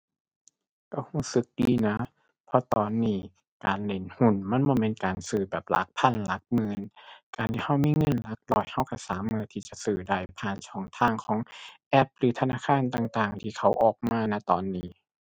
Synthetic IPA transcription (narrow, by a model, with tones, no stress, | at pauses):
ka˧˩huː˧˥˩sɯ˧˦k̚diː˧˩na˦˥ | pʰɔ˧t̪ɔː˨nːiː˧˩ | kaː˨nle˨˧˩nhu˧˩nma˧˥˨nbɔː˧˦˨me˧nkaː˨˩nsɯː˨˩bɛː˨˩p̚la̰˧˦k̚pʰa˧˥˨nla˦˥k̚mɯː˧nkaː˨˩nt̪ʰiː˧˩ha˧˥˩wmiː˧˥˨ŋɤ˧˥˨nla˧˦˥k̚lɔː˧˩jha˧˩wka˧˩saː˨˦mːɯː˧˨t̪ʰiː˧˩t͡ɕa˨˩sɯː˨˩da˧˩jpʰaː˧˩˨nt͡ɕʰɔː˧˩˦ŋt̪ʰaː˧˩ŋkʰɔː˨˦ŋʔɛ˦˥p̚ɾɯː˨˦t̪ʰa˧naː˧˥˨kʰaː˧˥˨nt̪aː˨˩ŋt̪aː˨˩ŋt̪ʰiː˧˩kʰa˦˥wʔɔː˨˩k̚maː˧˩na˧˦˥t̪ɔː˨nːiː˧˩